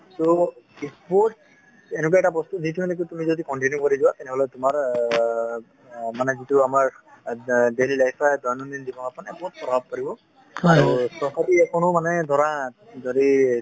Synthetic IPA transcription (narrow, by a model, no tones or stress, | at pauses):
soispɔɹʈs | enɛk̬waɛtabɔst̪uditʰinek̬utumizodikɔnʈinjukɔɹizuwat̪ɛnɛɦɔlɛtumaɹ | manɛzituamaɹ | delilajpʰajdɔjanud̪indibɔkapɔnɛsɔs̚pɔbʱab̚paɹibɔ | aɹupɹɔsatiɛkʰɔnʊmanɛd̪ʱɔɹa | dɔɾi